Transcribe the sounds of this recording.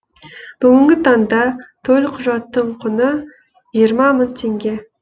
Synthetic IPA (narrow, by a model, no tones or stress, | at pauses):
b̥ʊɡʲɪŋɡʲɪt̪ʰɑnd̪ɑt̪ʰɵlqʰʊʒɑt̪ːəɴqʰʊnə | jijəɾmɑmənt̪ʰeŋɡʲe̞